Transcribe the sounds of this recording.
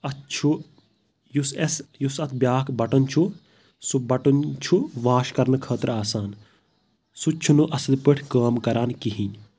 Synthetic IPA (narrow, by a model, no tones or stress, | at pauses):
ɐt̪t͡ʃʰu | jusesjusɐt̪ʰbjaːkbɐʈɐnt͡ʃʰu | subɐʈɐnt͡ʃʰuʋaːʃkɐɾnkʰɐːt̪ɾaːsaːn | sut͡ʃʰunuʔɐsɐd̪pɨʈʰkaːmkɐɾaːnkiɦĩ